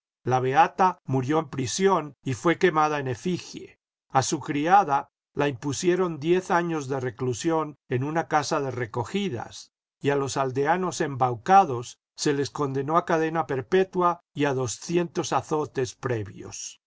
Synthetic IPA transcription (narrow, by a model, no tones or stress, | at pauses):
laβ̞e̞at̪amuɾjo̞empɾisjo̞nifwe̞ke̞mað̞aene̞fixjḛ | asukɾiaða | laimpusje̞ɾo̞nd̪je̞θaɲo̞zðe̞re̞klusjo̞ne̞nunakasaðe̞re̞ko̞xiða̰s | ialo̞sald̪e̞ano̞se̞mbawkaðo̞sː | e̞le̞sko̞nd̪e̞no̞akaðe̞nape̞ɾpe̞t̪waiaðo̞sθje̞nt̪o̞saθo̞t̪e̞spɾe̞βjo̞̰s